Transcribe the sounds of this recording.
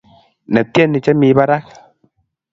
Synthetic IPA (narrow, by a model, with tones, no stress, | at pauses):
nɛ˨tjɛ˦˨nːi˨t͡ʃɛ˦mi˨˦ba˦ɾa˦k̚